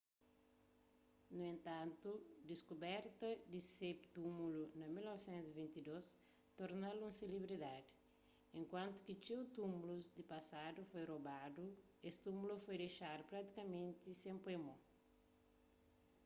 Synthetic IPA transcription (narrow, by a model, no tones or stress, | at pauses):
nuẽnt̪ãnt̪ud̪iskubɛɾt̪ɐd̪isept̪umulunɐmilnɔvsẽnt̪zvĩnt̪id̪os | t̪oɾnalũselibɾid̪ad̪i | ẽŋkwãnt̪u̥kit͡ʃewt̪umuluzd̪ipɐsad̪ufojrobad̪u | est̪umulufojd̪ejʃaɾpɾat̪i̥kɐmẽnt̪isẽmpemõ